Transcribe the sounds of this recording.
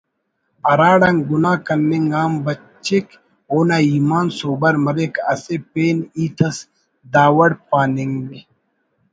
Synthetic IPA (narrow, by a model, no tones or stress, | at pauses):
ɐɾaːɽɐŋɡʊnaːkɐnːiŋɡaːmbɐ | t͡ʃːek | oːnaːiːmaːnsoːbɐɾmɐɾekɐ̰sepeːniːt̪ʰɐs | d̪aːwɐɽpaːniŋɡmi